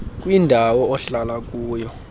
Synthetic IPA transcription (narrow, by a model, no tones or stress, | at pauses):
k̬ʼwindʱawɔɔɬalak̬ʼuːjɔ